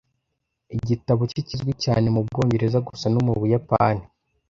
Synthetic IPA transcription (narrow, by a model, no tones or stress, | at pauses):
iɟitaβocicizɡwicaːne̞mub̚ɡo̞ːɲɟe̞ɾezaɡusanomuβujapaːni